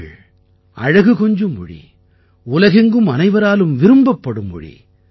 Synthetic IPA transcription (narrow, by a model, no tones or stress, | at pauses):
ɭ | ʔɐ̰ɻɐɣɯkɔɲd͡ʒɯmːʊ̰ɽḭ | ʊlɐɣɛŋɡɯmɐnɐɪʋɐɾaːlɯmʋɪɾɯmbɐpːɐɽɯmːʊ̰ɻḭ